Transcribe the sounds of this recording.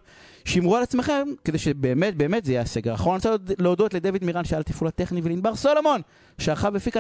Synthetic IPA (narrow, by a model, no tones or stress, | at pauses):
ʃimʁualat͡smeχe̞mke̞d̪ejʃebeːmet̪̚beːmet̪zejaaseɡeʁaχonasaleod̪o̞t̪led̪evid̪miʁanʃealt̪ifulat̪eχnivelinbaʁsolomo̞n | ʃeaχavefika